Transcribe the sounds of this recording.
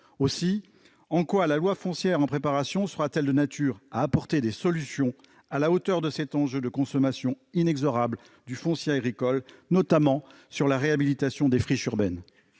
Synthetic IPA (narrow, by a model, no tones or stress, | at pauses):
osi | ɑ̃kwalalwafɔ̃sjɛʁɑ̃pχepaʁasjɔ̃səʁat̪ɛld̪ənat̪ʰyːʁaːpɔʁt̪ed̪esɔlysjɔ̃ | alaot̪œʁd̪əsɛt̪ɑ̃ʒød̪əkɔ̃sɔmasjɔ̃ | inɛɡzɔʁabl | d̪yfɔ̃sjeaɡʁikɔlnɔt̪amɑ̃ | syʁlaʁeabilit̪asjɔ̃d̪efχiʃyʁbɛn